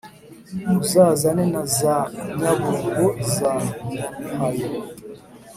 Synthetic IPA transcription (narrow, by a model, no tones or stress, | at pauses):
uzaːzanɛnazaɲaboɡozaː | hajo